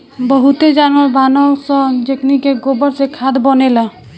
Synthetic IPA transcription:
bəɦut̪ed͡ʒanəɾbanɔwsɔ̃d͡ʒeknikeɡobəɾsekʰad̪bɔnela

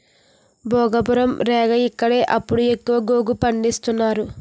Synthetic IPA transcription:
bʱɔːɡɐbuɾɐmɾɛːɡɐikːɐɽe̞ːʔɐpːuɽue̞kːuʋɐɡoːɡupɐɳɖist̪unːaːɾu

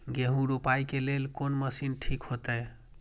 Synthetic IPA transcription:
ɡeɦũɾupaikelelkonməsinʈʰikhot̪əj

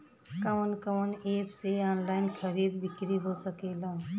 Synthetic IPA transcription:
kəwənkəwənepseɔːnlaɪnkʰəɾid̪bikɾiɦosəkelə̃

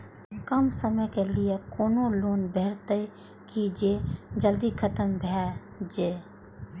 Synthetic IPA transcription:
kəmsəməjkelɪjekoːnoloːnbʱeːɾt̪ə | kid͡ʒeːd͡ʒəld̪ikʰət̪əmbʱɛ | d͡ʒeː

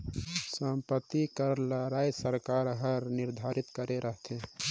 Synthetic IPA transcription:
səmpət̪ːikəɾləɾaisəɾkaɾɦəɾnɪɾd̪ʱaɾit̪kəɾeɾəɦt̪ʰe

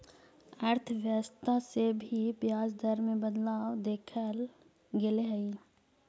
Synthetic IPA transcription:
əɾt̪ʰʋjəʋəst̪ʰasebʱipjaːd͡ʒd̪ʱəɾmẽbəd̪laːwd̪eːkʰəl | ɡeleɦəi

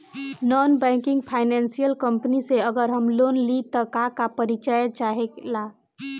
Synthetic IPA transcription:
nɔnbɛ̃ŋkiŋɡpʰajnensijəlkəmpniseəɡəɾɦəmlonlit̪əkakapəɾit͡ʃəjt͡ʃaɦekla

